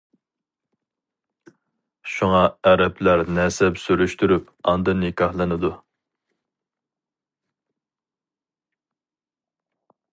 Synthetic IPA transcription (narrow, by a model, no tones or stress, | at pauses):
ʃuŋɑɛɾɛpʰlæɾnɛsɛpsyɾyʃt̪yɾyp | ɑ̰nd̪ɨnːɪkʲʰɑhlˠɨnɨd̪u